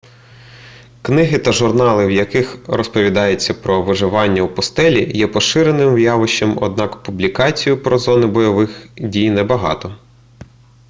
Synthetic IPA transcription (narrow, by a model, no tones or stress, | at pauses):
knɪɦɪt̪ɐʒʊrnɑlˠɪwjɐkɪxɾɔspɔʋʲid̪ɑjet͡sʲːɐpɾɔʋɪʒɪʋɑnʲːɐwpɔst̪ɛlʲijɛpɔʃɪɾenɪmwjɑʋɪʃemɔ̰d̪̚nɑkpublʲikɑt͡sʲijʊpɾɔzɔnɪbɔjɔʋɪxdʲijnɛbɐɦɑ̰t̪ɔ